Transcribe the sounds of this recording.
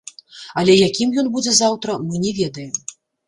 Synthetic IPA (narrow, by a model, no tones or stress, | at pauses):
ɐlʲɛjakʲimjɔnbud͡zʲɛzawt̪ɾɐmɨnʲɛvʲɛd̪ɐjɛm